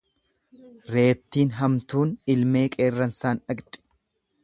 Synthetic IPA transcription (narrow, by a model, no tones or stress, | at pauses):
ɾe̞ːp̚t̪ːiːnɦɐmt̪uːnɪlme̞ːkʼe̞ːrːɐnsaːnɐɡt̪ʼɪ̥